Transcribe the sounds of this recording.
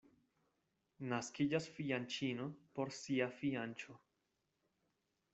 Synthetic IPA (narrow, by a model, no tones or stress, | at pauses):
naskid͡ʒasfiant͡ʃino̞po̞ɾsiafiant͡ʃo̞